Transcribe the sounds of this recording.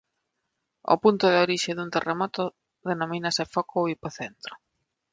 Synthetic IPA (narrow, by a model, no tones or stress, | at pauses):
ʊ̰punt̪ʊðoɾiʃeðunt̪eremɔt̪ʊ | ðenomĩnɐsefɔkʰoipoθent̪ɾʊ̥